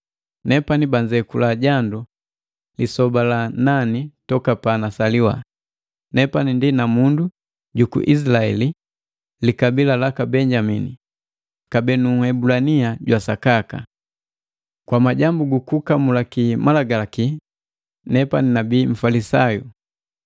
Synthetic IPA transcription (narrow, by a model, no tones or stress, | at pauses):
nɛpanibaɲd͡ʒɛkulaɟandu | lisɔbalananitɔkapanasaliwa̰ | nɛpanindinamundu | ɟukṵʔis̬laɛ̰li | likabilalakabɛɲɟaminḭ | kabɛnuhɛbulaniaɟwasakaka̰ | kwamaɟambuɡukukamulakimalaɡaaki | nɛpaninabiːm̩falisajṵ